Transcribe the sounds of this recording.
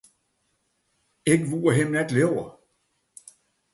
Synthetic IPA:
eɡ̥ʋuːɐɦemnæd̥leʊ̰ɐ

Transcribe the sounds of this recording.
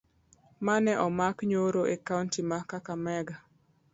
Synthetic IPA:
manɛʔɔmakɲoɾoʔekauntimakakamɛɡa

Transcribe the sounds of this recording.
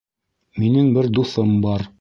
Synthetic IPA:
minɘŋbɘɾd̪uθɤmbɑɾ

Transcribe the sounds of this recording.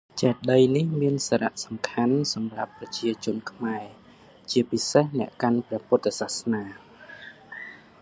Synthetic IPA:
t͡ɕaɛt̪̚ɗəjnihmiənsaːɾaʔsɑ̥mkʰansɑmrapːrɑt͡ɕiət͡ɕʊ̆ənkʰmaɛ | t͡ɕiəpisehnɛ̆əʔkanprɛ̆əpʊət̪ːasahsnaː

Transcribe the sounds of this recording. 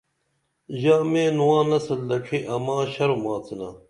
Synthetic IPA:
ʑaːmeːnuwãːnɐsɐld̪ɐʈ͡ʂʰiʔɐmãːɕɐɾomãːt͡sʰina

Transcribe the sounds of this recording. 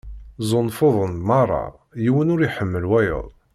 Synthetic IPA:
zˤʊnːfoðˤənmɑrˤːɑ̰ | jiwənʊɾiħəmːəlwæjə̰ðˤ

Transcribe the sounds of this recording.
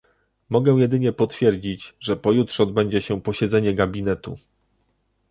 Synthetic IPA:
mɔɡɛw̃jɛd̪ɘɲɛpɔt̪fʲjɛɾd͡ʑit͡ɕʐɛpɔjutʂɛɔd̪bɛɲd͡ʑɛɕɛpɔɕɛd̪zɛɲɛɡabʲinɛt̪ṵ

